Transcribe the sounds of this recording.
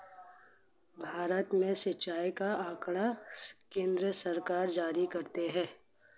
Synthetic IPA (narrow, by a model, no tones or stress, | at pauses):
bʱaːɾət̪mẽsɪtːt͡ʃaːikaaːkɽakẽːnd̪ɾəsɐɾkaːɾd͡ʒaːɾikɐɾt̪eɦɛ̃ː